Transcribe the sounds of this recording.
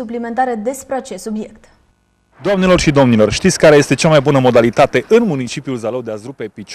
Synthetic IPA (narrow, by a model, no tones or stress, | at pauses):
uplime̞nt̪aɾed̪e̞spɾeat͡ʃe̞st̪subje̞kt̪ | d̪oamne̞lo̞rʃid̪o̞mnilo̞rʃt̪it̪sʲkaɾe̞je̞st̪e̞t͡ʃamajbunəmo̞d̪alit̪at̪e̞ʔɨnmunit͡ʃipjulzalod̪eazɾupe̞pit͡ʃ